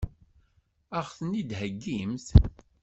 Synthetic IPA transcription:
æʁθənid̪həɡːimθ

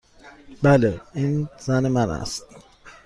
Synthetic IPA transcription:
baləinzanəmana̰s

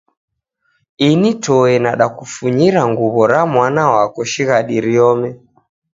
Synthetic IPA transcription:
initɔɛnaɗakufuɲiɾaŋɡuβɔɾamwanawakɔʃiɣaɗiɾiɔmɛ

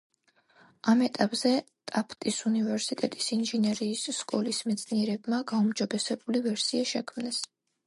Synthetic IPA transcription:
amɛt̪ʼapʼz̥ɛ | t̪ʼapʰt̪ʼisunivɛɾsit̪ʼɛt̪ʼi̥sinʒɛnɛɾiːsːkʼɔlismɛt̪sʰʼniɛɾɛbmaɡaumd͡ʒɔbɛsɛbulivɛɾsiaʃɛkʰmnɛs

